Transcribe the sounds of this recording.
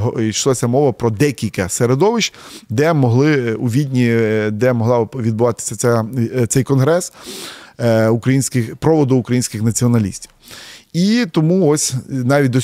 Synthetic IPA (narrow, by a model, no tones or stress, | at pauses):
ɦiʃlˠasʲɐmɔʋɐpɾɔd̪ɛkʲilʲkɐseɾed̪ɔʋɪt͡ʃd̪ɛmɔɦlˠɪuʋʲid̪ʲnʲid̪ɛmɔɦlˠɑʋʲid̪̚bʊʋɑt̪ɪ̥sʲɐt͡sʲɛt̪sɛjkɔnɦɾɛs | ʊkɾɐjinʲsʲkɪxpɾɔʋɔd̪ʊːkɾɐjinʲsʲkɪxnɐt͡sʲiɔnɐlʲḭsʲtʲiwit̪ɔmuɔsʲnɑʋʲit̚ʲd̪ɔ